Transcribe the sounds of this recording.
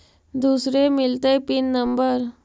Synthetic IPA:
d̪usɾemilt̪epinːəmbəɾ

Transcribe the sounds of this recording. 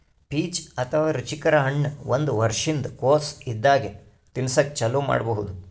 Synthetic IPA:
piːt͡ʃɐt̪ʰɐʋaːɾut͡ʃikɐɾɐɦɐɳːɐʋond̪uʋɐɾʂind̪ɐkoːsid̪ːaːɡe | t̪insɐkːt͡ʃɐluːma̰ːɖbɐɦud̪u

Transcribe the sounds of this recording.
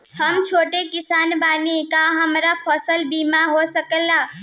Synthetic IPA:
həmt͡ʃʰoːʈekɪsaːnbanekaɦəmɾapʰɔsəlbimaɦosəkəlːa

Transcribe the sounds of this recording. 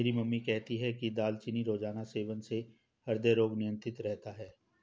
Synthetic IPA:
ɾimɐmːikɛɦt̪iɦɛkid̪aːlt͡ʃɪniɾoːd͡ʒaːnaseːʋənse | hɐɾd̪əɾoːɡnɪjə̃nt̪ɪt̪ɾɛɦt̪aɦɛː

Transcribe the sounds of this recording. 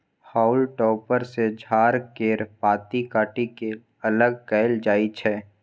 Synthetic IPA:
haːʊlʈɔːpəɾsed͡ʒʱaːɾkeːɾpaːt̪ikaːʈike | ɐləɡ̚kɛɪld͡ʒaːit͡ʃʰɛː

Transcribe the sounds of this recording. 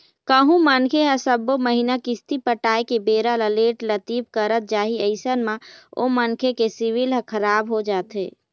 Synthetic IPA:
kəɦũmənkʰeɦə̃səbːoməɦinakɪst̪ipəʈaːekebeːɾaləleːʈlət̪iːpkəɾət̪̚d͡ʒaːɦiəɪsənmão̰mənkʰekesiʋilɦə̃kʰəɾaːbɦod͡ʒaːt̪ɦḛː

